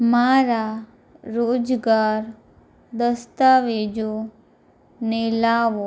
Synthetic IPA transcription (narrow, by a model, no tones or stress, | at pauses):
maɾa | ɾoːd͡ʒɡaɾ | d̪əst̪aʋed͡ʒo | nelaːʋo